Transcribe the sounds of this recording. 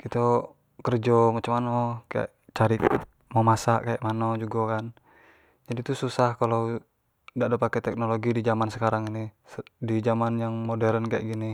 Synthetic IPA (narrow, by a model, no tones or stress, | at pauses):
kit̪o | kərd͡ʒɔmat͡ʃumanokaa̰ʔt͡ʃaɾik | momasaʔkaja̰ʔmanod͡ʒuɡakan | d͡ʒadit̪ususahkalo | daʔdapakɛt̪ɛk̚noloɡidid͡ʒamansəkaɾaŋinisdid͡ʒamanjaŋmodɛɾənkaa̰ʔɡini